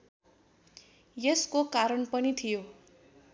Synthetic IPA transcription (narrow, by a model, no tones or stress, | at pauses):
jeskokaɾʌnpʌnit̪ʰijo